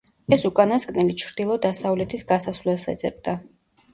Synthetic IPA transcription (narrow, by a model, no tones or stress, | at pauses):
ɛsukʼanaskʼnɛlit͡ʃʰɾd̪ilˠɔd̪asavlɛt̪ʰisɡasasvlɛlˠsɛ̰d̪zʼɛ̰b̚d̪̥a